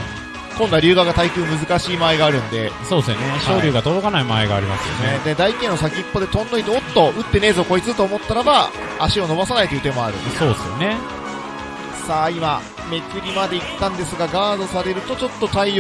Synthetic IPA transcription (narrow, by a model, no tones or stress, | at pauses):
kõ̞nd̪aɾʲɯːɡaɡat̪aikɯ̟ːmɯ̟zɨkaɕiːmaeɡaːɾɯ̟̃nd̪e̞so̞ːdsoneɕoːɾʲɯːɡat̪od̪o̞kanaimaeɡa̰ːɾʲimasɨjoneed̪ed̪aikẽ̞ːnos̬akʲiipːo̞d̪e̞t̪õ̞nd̪oit̪eot̪ːo̞ɯ̟t̪ːe̞ne̞ːzo̞ːko̞it͡sɨɨt̪oːmo̞t̪ːaɾaba | aɕio̞no̞basanait̪ojɯ̟t̪e̞mo̞aɾɯ̟nsoːesɨjo̰ne̞ | saːima | me̞t͡sɨɾʲimad̪e̞it̪ːãnd̪e̞sɨɡaɡaːd̪o̞saɾe̞ɾɯ̟t̪ot͡ɕo̞t̪ːo̞t̪ai